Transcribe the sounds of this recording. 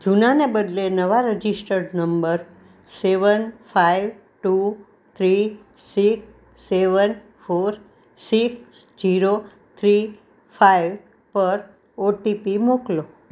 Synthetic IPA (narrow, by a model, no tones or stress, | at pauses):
d͡ʒunanebəd̪lenəʋaɾəd͡ʒisʈəɾnəmbəɾ | seʋənfaiʋ | ʈu | t̪ʰɾi | sik | seʋən | foɾ | siks | d͡ʒiɾo | t̪ʰɾi | faiʋ | pəɾ | oʈipimoklo